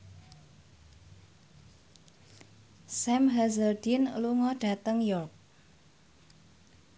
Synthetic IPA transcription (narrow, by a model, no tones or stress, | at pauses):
sɛmɦazərdinluŋɔɖ̥a̤t̪əŋjɔrk̚